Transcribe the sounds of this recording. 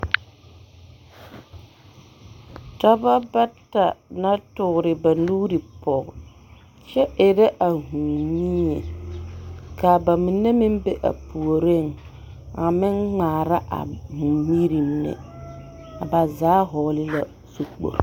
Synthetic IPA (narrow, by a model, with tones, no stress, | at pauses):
ta˦ba˦ba˦ta˨na˦tʊ˨ɾɪ˨ba˨nuː˦ɾi˨pɔ˨ɣ | t͡ʃɛ˦ʔɪ˨ɾɛ˦ʔa˨ɦu˨mi˦e˨ | kaː˨ba˨mi˨nːe˦mɪ˦mbe˦ʔa̰˨pu˨o˨ɾe˦˨ŋ | a˨mɪ˦nŋaː˨ɾa˦ʔa̰˨hu˨mi˦ɾi˨mnɛ̰˨ | a˨ba˨zaː˨˦ɦɔ˨lɪ˦la˨ | su˦k͡po̰˨ɾ